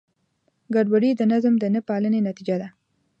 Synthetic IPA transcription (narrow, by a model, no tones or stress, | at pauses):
ɡaɖwaɽid̪ənazmd̪ənəpɑlənenat̪id͡ʒad̪a